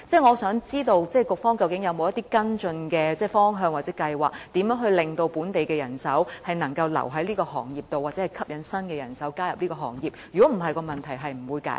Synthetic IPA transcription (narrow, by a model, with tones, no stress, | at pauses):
t͡sɛː˥˩ŋɔː˨˧sœː˨˥ŋt͡siː˥t̪o˧wt͡sɛː˥kʊ˨k̚fɔː˥ŋkɐ˧wkɪ˨˥ŋjɐ˨˧wmo˨˧wjɐ˥t̪iː˥kɐ˥nt͡sɵ˧nkɛː˧t͡sɛː˥˩fɔː˥ŋɦœː˧ŋwa˨t͡sɛː˨˥kɐ˧jwaː˨k̚t̪iː˨˥mjœː˨˥ŋɦɵ˧ɥlɪ˨ŋt̪o˧wpuː˨˥nt̪e˨jkɛː˧jɐ˨˩nsɐ˨˥whɐ˨jnɐ˨˩ŋkɐ˧wlɐ̰˨˩wɦɐ˨˥jliː˥kɔː˧ɦɔː˨˩ŋjiː˨˩p̚t̪o˨waː˨t̚t͡sɛː˨˦˥ɐ˨jkʰɐ˥p̚jɐ˨˥nsɐ˥nkɛː˧jɐ˨˩nsɐ˨˥wkaː˥jɐ˨p̚liː˥kɔː˧ɦɔː˨˩ŋjiː˨p̚jy˨˩kɔː˨˥m̩˨˩ɦɐ˨jkɔː˧mɐ˨nt̪ʰɐ˨˩jɦɐ˨jm̩˨˩wuː˨˧jka̰˨˥